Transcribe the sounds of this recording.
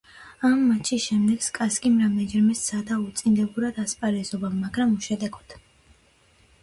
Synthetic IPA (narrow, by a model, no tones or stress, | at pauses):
amːat͡ʃʰisʃɛmd̪ɛɡskʼaskʼimɾamɛd͡ʒɛɾmɛssad̪aut̪sʼind̪ɛbuɾad̪aspʼaɾɛzɔbaaɡɾamuʃɛd̪ɛɡɔd̪̥